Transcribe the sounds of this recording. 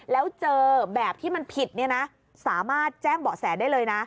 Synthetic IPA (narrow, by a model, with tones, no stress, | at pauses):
lɛː˦˥wt͡ɕɤː˧bɛː˨˩p̚t̪ʰiː˥˩ma˧npʰi˨˩t̪̚ni˥˩ɐna˦˥ | saː˩˦maː˥˩t̪̚t͡ɕɛː˥˩ŋbɔː˨˩sɛː˩˦daː˥˩jlɤː˧jna˦˥